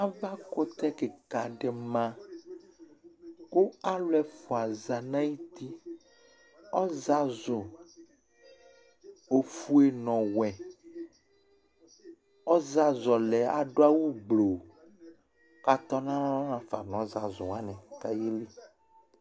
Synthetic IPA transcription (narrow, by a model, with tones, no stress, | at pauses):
a˦va˦ko˦t̪ɛ˦ke˨ka˨ɖɛ˨mã˦˨ | ko˦a˦lɛ˨fo˨a˨za˨nã˦ji˦t̪i˦ | ɔ˦za˦zo˨ | o˨fu˦e˨nɔ̃˨wɛ˨ | ɔ˦za˦zɔ˨lɛ˨a̰˨ɖo˦a˦wu˦ɡ͡blo˨ | ka˨t̪ɔ˦nã˦ɔ˦nã˦fa̰˨nɔ̃˨˦za˨zo˨a˦nɛ̃˨ka˦je˦li˦